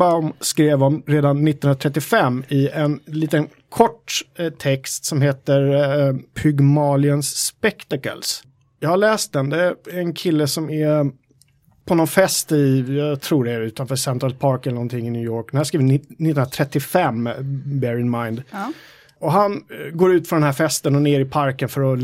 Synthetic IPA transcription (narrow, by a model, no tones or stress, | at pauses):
baʊmskɾeːvɔmɾeːd̪anːɪt̪ːnɵnat̪ʰɾɛt̪ːɪfɛmːɪɛnliːt̪ən | kʰɔʈːt̪ʰɛkst̪sɔmɦeːt̪əɾpʰʏɡmɑːlɪənsːpɛkt̪akə̰ls | jɑːɡhaɭɛːst̪̚d̪ɛnd̪ɛæɾɛnkʰɪlːəsɔmæ | pʰɔnɔnfɛst̪ɪjɑːt̪ʰɾuːɖɛæɾʉ̟ːt̪anfœːʂɛnt̪ɾalpʰɑːɾkɛlənɔnt̪ʰɪŋːɪnjʉːjoːɾk̚d̪ɛnhæːskɾiːvɪnɪt̪ːnɾat̪ʰɾɛt̪ːɪfɛmːbɛɾɪnmaɪnd̪ | ɔɦanɡoːɾʉ̟ːt̪fɔnd̪ɛnɦæɾfɛst̪ənɔneːɾɪpʰaɾkənfœɾɔ